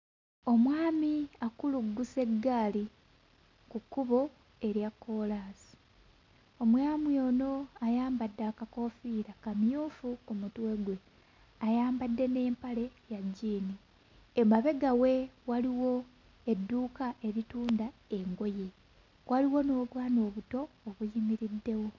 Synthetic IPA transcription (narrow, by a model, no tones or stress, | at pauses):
o̞mwaːmiakuluɡːuse̞ɡːaːli | kukːuβo̞ | e̞ɾjakːo̞ːlaːsi̥ | o̞mwaːmwio̞no̞ajaːmbadːakako̞fiːɾakamjuːfukumutwe̞ɡwe̞ | ajaːmbadːe̞ne̞ːmpale̞jaɟːiːni | emaβe̞ɡawe̞waliwo̞ | e̞dːuːkaʔe̞ɾituːndae̞ŋɡo̞je̞ | wʔaliwo̞no̞ːβwaːno̞ːβuto̞ːβujimiɾidːe̞wo̞